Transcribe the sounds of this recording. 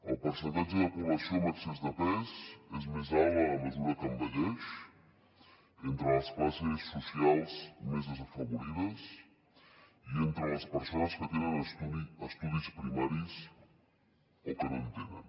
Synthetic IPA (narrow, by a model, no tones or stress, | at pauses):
ə̰lˠpəɾsənt̪ad͡ʒəðəpuβləsioməɾksezðəpɛszezmezalˠələməzuɾəkəmbəʎeʃ | ent̪ɾələsklasisːusialˠzmezðəzəfəβuɾiðəs | ient̪ɾələspəɾsonəskət̪enənuəst̪uðispɾimaɾis | okənont̪enən